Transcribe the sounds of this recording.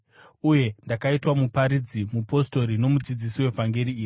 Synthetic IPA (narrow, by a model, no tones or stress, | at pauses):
uje̞ndakaitwamupaɾid͡zimupo̞sto̞ɾino̞mud͡zid͡zisiwe̞vʱaŋɡeɾiːi